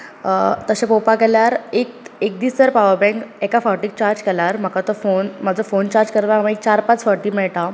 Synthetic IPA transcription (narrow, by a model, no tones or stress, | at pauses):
t̪əɕẽpopakɛljaɾek̚ek̚d̪iːst̪əɾpaʋəɾbɛ̃ŋkɛkafɔɾʈiːk̚t͡ɕaɾd͡zkɛlaɾm̤əkat̪əfonmad͡zʱəfont͡ɕaɾd͡zkəɾt̪aamə̃ek̚t͡ɕaɾpat͡sfɔɾʈiːmɛɭʈa